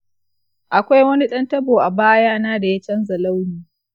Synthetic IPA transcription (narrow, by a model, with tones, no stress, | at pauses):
ʔa˨kʷa˦jwɐ˦ni˦ɗɐ˦ntɐ˦boː˨ʔa˨baː˦jaː˦naː˦da˨ja˦t͡ʃɐ˦nza˨la˦wniː˨